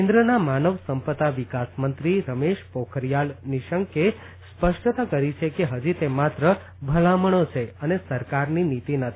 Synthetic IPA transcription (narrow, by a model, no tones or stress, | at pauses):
kẽnd̪ɾənamanəʋsəmpət̪aʋikasmənt̪ɾiɾəmeʃpokʰəɾijalniʃəŋke | spəʃʈt̪akəɾit͡ʃʰekeɦəd͡ʒit̪emat̪ɾə | bʱəlaməɳ̃ot͡ʃʰeənesəɾkaɾninit̪inət̪ʰii